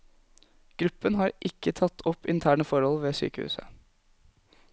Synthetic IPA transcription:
ɡ̥ɾʉpːənɦɑːɾʔɪkːət̪ʰɑt̪ʰːɔpːɪnt̪ʰæːɳəfɔɾhɔlʋeːsy̰ːkəhʉ̰ːsə̰

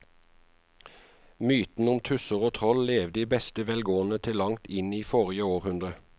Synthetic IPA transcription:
myːt̪n̩ʊmt̪ʰʉsəʁoːt̪ʰʁɔlleːʋd̪iːbɛst̪əʋɛːlɡoːən̩ət̪ʰɪlːɑŋt̪ɪniːfoːʁɪəoːʁhʉnd̪ʁə

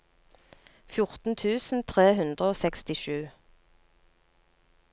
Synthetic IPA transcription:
fjʊʁt̪n̩t̪ʰʉːsn̩t̪ʰʁeːhʉnd̪ʁəoːsɛkst̪ɪʃʉː

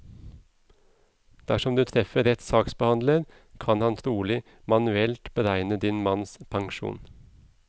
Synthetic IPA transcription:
d̪̥æʃɔmd̪ʉːt̪ʰɾɛfəɾɛt̪sɑːksbəhɑnd̪ləɾ | kʰɑnhɑnt̪ʰɾuːlɪ | mɑnʉɛlt̪b̥əɾæɪnəd̪ɪnmɑnspʰɑŋʃṵːn

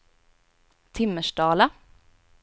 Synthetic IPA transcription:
t̪ʰɪmːəʂɖɑːla

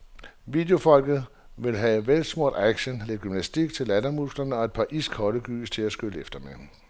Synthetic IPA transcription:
ʋiːd̥jo̝fɒ̽l̰ɡ̥ð̞̩ˠ | ʋe̝lɦɛʋel̰̥smo̝ɐ̰d̥æɡ̥ɕənle̝d̥ɡ̥ymnæsd̥iɡ̥̚t͡sʰe̝lædɐmusɡ̥lɐnəɒ̽e̝d̥̚pʰɑ̈ʔisɡ̥ʰhɒ̽ɾ̥əɡ̥y̰ːst͡sʰe̝æsɡ̥øləefd̥ɐme

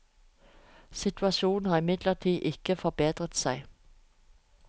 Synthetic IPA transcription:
sɪt̪ʰʉɑʃuːn̩hɑːʁɪmɪd̪ləʁt̪ʰiːʔɪkəfɔbeːd̪ʁət̪sæɪ

